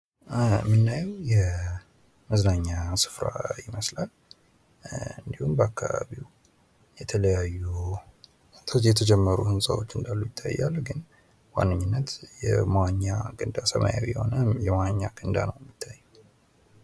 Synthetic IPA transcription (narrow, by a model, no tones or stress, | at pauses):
mːɨnːajɛwjɛ | məznaɲːasɨ̥fɾa̰jɪməslal | ɨnd̪ihumbəakʰːaβa̰βiw | jɛt̪ʰələjajːu | t̪ʰjɛt̪ʰəd͡ʒɛmːəɾuhɨnsʼawot͡ʃːɨnd̪alːujɪt̪ʰːa̰jːalɡɨn | wa̰nːɨɲːɨnːət̪jɛ̰mwaɲːaɡɨnd̪asəmʔa̰jawijɛho̞nəjɛmawaɲːaɡɨnd̪anəwjɛmːit̪ʰːajːu